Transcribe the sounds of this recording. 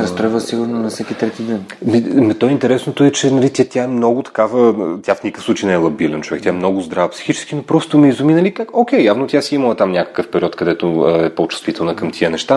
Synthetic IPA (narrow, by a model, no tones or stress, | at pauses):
ɾɐst̪ɾɔjvəsiɡʊɾnonɐfsɛkit̪ɾɛt̪id̪ɛnmimɛt̪ɔɛint̪ɛɾɛsnot̪oɛt͡ʃɛnɐlit̪ʲat̪ʲaɛmnɔɡʊt̪ɐ̥kavət̪ʲjafnʲikəfsˠut͡ʃijnɛɛlˠɐbilɛnt͡ʃovɛkt̪ʲaɛmnɔɡʊzd̪ɾavəpsi̥xit͡ʃɛ̥skinopɾɔst̪ʊmɛizʊminɐlikakokʲɛjjavnot̪ʲjasiimɐlˠət̪amnʲakə̥kəfpɛɾʲiɔt̪kɐd̪ɛt̪oɛpot͡ʃu̥st̪vit̪ɛlˠnəkəmt̪ʰiənɛʃt̪a